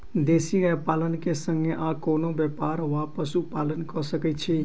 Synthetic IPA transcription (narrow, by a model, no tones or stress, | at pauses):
d̪esiəpalənkesə̃ŋɡeʔakonobjəpaɾʋapəsupalənkɔsəkɛt̪t͡ʃʰi